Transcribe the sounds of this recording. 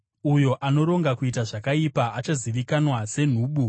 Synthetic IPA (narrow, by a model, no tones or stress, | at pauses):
ujo̞ʔano̞ɾo̞ŋɡakuitaʐakaipaːt͡ʃaziʋikanwase̞n̤uːɓu